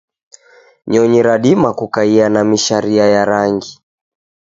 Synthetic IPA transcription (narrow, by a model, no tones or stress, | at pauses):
ɲɔɲiɾaɗimakukaianamiʃaɾiajaɾaŋɡi